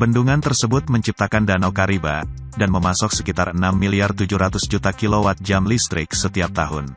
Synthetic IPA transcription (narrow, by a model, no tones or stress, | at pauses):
bənduŋant̪ərsəbʊt̪̚məɲt͡ʃip̚t̪akandanawkaɾiba̰ | danməmasɔksəkit̪arənamːiliart̪ud͡ʒuɾat̪ʊsd͡ʒut̪akilowat̪̚d͡ʒamlist̪ɾɪk̚sət̪iap̚t̪aɦʊn